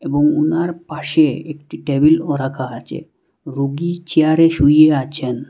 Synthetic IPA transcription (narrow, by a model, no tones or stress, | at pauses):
eboŋunaɾpaʃeek̚ʈiʈebilɔɾakʰaat͡ɕʰḛ | ɾuɡit͡ɕeaɾeʃujeat͡ɕʰen